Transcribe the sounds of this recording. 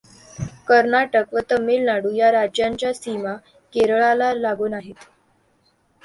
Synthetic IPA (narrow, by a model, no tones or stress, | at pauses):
kəɾnaʈəkʋət̪əmelnaɽuːjaɾad͡ʑjaɲt͡ɕjasima | keɾəɭalalaɡuːnaɦet̪